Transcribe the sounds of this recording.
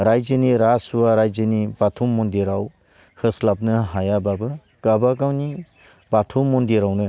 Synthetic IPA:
ɾajzɯniɾaswaɾajzɯnibatʰumːɔndiɾaw | hɯslap̚nɯɦajababɯ | kabakawni | batʰumːɔndiɾawnɯ

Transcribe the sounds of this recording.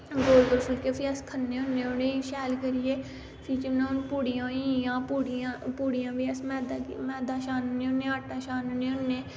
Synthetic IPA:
ɡoːlɡəɾpʰʊlkeːpʰiəskʰənːeːʊnːeːʊneːʃɛːlkəɾijeː | pʰiːt͡ʃənãːnpuːɽijãːiãːpuːɽiãːpuːɽijãːbiəsmɛːd̪amɛːd̪ãːʃaːnnẽːʊnːẽːaːʈːãːʃaːnʊneːʊnːeː

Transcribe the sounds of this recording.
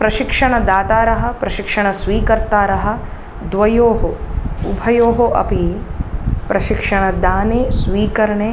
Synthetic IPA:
pɾɐʃikʂɐɳɐd̪aːt̪aːɾɐɦɐ̆pɾɐʃikʂɐɳɐsʋiːkɐɾt̪aːɾɐɦɐ̆ | d̪ʋɐjoːɦoubʱɐjoːɦoʔɐ̰pi | pɾɐʃikʂɐɳɐd̪aːneːsʋiːkɐɾɐɳeː

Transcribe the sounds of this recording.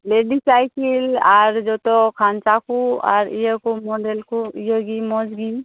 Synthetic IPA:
leɖisajkilaɾd͡ʒɔt̪ɔkʰant͡ʃakua̰ɾijəkumɔɖelkuijəɡimɔd͡ʒɡi

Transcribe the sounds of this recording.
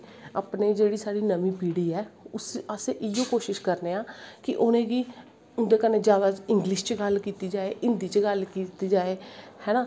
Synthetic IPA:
aːpneːd͡ʒeːɽiːsaːɽiːnəmĩːpiːɽiːɛːʊsəseːʔɪjõːkoːʃɪʃkəɾneːãːkɪʔʊnẽːɡiː | ʊnd̪eːkənẽːd͡ʒjaːd̪aːɪ̃ŋɡlɪʃt͡ʃɡəlkiːt̪iːd͡ʒaːeːʔɪnd̪iːt͡ʃɡəlkiːt̪iːd͡ʒaːeːhɛːnaː

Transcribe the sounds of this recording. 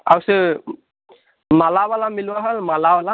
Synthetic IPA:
awsɯ | malabalamilwaɦəlmalabala

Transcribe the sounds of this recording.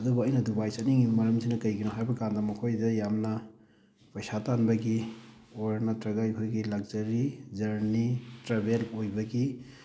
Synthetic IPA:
ɐdubɐɐjnɐdubajsɐniŋimɐɾɐmsinɐkɐjɡinoɦajbɐkandɐmɐkʰojdɐjamnɐ | pɐjsatanbɐɡioɾnɐtɾɐɡajbɐɡilɐɡ̚zɐɾizɐɾnitɾabelojbɐɡi

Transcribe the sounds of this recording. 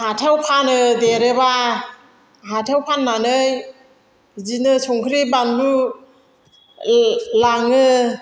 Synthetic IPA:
hatʰewpʰanɯdeɾɯba | ɦatʰewpʰanmanɯj | zinɯsɔŋkʰɾibandu | laŋɯ

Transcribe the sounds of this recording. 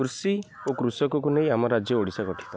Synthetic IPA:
kɾusi | okɾusɔkɔkunej̃amɔɾad͡ʒjɔoɽisakɔʈʰi̥t̪ɔ

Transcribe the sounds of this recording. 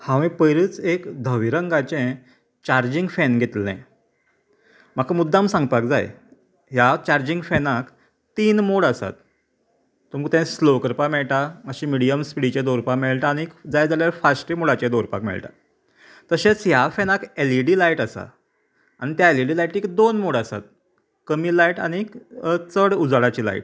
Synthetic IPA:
hãʋĩpəjɾiːt͡sekd̪ʱəʋiɾəŋɡat͡ɕẽ | t͡ɕaɾd͡ʑiŋɡfɛnɡʱet̪lḛ̃ | m̤akamud̪ʱːamsãŋɡpak̚d͡za̰j | ɦjat͡ɕaɾd͡ʑiŋɡfɛnak | t̪iːnmoɽəsa̰t̪ː | uməkt̪ẽslokəɾpameɭʈaməɕimiɽijəmspiɽit͡ɕed̪oɾpameɭʈaːɽ̃ikd͡zajd͡zaljaɾfasʈimuɽat͡ɕed̪oɾpa̰kmɛ̰ɭʈa̰ | t̪əɕet͡sjafenakeliɽiːlaiʈəsa̰ | aɽ̃it̪jaeliɽiːlajʈiːkd̪onmoɽəsa̰t̪̚ | kəmilaiʈa̰ɽ̃it͡səɽud͡zɽat͡ɕiːla̰iʈ̚

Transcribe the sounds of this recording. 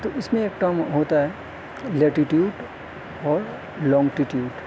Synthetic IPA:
t̪oʔɪsmẽeːkʈɐmɦoːt̪aɦɛ | lɛːʈiʈjuːɖ | ɔːɾ | lɔ̃ːŋɡʈiʈjuːɖ

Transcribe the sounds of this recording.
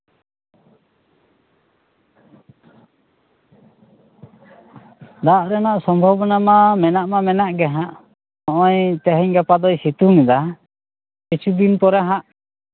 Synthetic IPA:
d̪aʔɾɛnaʔsɔmbʱɔbɔnamamɛnaʔmamɛnaʔɡɛɦaʔ | ɔʔɔjt̪ɛɦɛɲɡapad̪ɔjsit̪uŋɛd̪a | kit͡ʃʰud̪inpɔɾaɦaʔ

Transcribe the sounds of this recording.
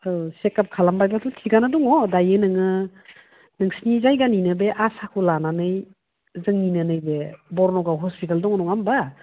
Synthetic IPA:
ɯsekap̚kʰalambajbatʰutʰiɡanaduŋɔdajɯnɯŋɯ | nɯŋsinizajɡaninɯbeʔasakʰulananɯj | zɯŋninɯnɯjbebɔɾnɔɡawɦɔspitaldɔŋnɔŋamba

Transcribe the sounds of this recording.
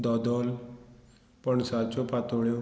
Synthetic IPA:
d̪ɔd̪ɔl | pəɳsat͡ɕopat̪oɭjo

